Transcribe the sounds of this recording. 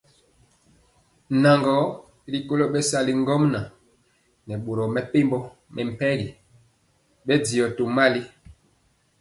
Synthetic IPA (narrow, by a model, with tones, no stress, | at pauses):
na˨ŋɡɔ˨˦ | li˨ko˦lo˦ɓɛ˦sa˦li˨ŋ˦ɡɔ˦mna˨ | nɛ˨ɓo˨ɾɔ˨mɛ˨pe˦mbɔ˦ | mʔɛ˨m̩˨pɛ˦ɡi˨ | ɓɛ˦di˨ɔ˨to˨ma˦li˦